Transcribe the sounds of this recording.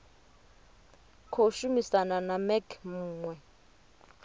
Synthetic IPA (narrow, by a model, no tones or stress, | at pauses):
kʰoʃumisananamɛkʰmuːŋwɛ